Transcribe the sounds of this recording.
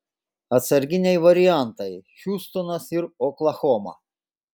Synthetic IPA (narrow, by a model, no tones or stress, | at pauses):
ɐt̪sɐɾʲɡʲɪnʲɛjʋɐɾʲɪjant̪ɐjʃʲuːst̪onɐsɪɾɔklˠɐxɔmɐ̰